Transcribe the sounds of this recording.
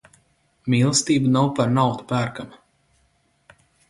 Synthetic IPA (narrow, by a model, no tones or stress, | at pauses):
miːlˠst̪iːbanawpaɾnawt̪u̥pæːɾkama